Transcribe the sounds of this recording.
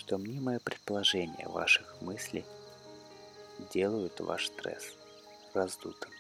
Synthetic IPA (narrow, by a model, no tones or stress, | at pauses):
ʂt̪omnʲemɐjopɾʲɪt̪̚pəlˠɐʐɛnʲɪ̰jə̰va̰ʂɨxmɨsʲlʲɪ | dʲe̞lˠəjʊt̪va̰ʂst̪ɾɛ̰s | rɐzd̪ut̪ɨm